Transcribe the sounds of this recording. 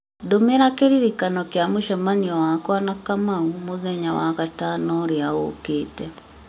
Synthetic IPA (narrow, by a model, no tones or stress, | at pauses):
domeɾakeɾiɾikanɔkjamoʃamaniɔwakwanakamaumoðɛɲawa̰ɣatanɔɾjaɣo̰keːtɛ